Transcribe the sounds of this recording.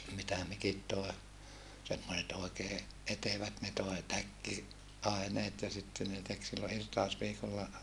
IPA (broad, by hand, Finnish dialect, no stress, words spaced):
mitæ mikit toe semːoset oˑekeː eteʋæt ne toe tækːi ɑeneːt jɑ sitːe ne tek silːo irtɑosʋiːkolːɑ